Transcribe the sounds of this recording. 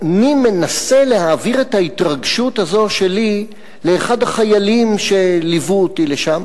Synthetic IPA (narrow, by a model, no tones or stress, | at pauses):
anime̞nase̞le̞haːviʁetaitʁaɡʃuthazo̞ʃe̞li | le̞ːχadhaχajalimʃe̞livuotile̞ʃam